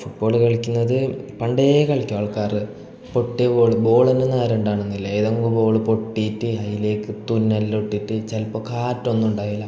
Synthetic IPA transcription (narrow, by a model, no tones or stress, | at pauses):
fuʈ̚bo̞ːɭɨkɐɭikʲːunːɐðɨpɐɳɖekɐɭikʲːɐʋɐːɭkaːrɨ | po̞ʈːeboːɭbo̞ːɭɐnenːaːɾeɳɖaːɳenːilːɐiðɐmukːɨboːɭɨpo̞ʈːitːɨhɐjile̞ːkːɨt̪unːɐlːoʈːiʈːɨt͡ɕɐlpːokʰaːtːonːuɳɖaːjilːɐ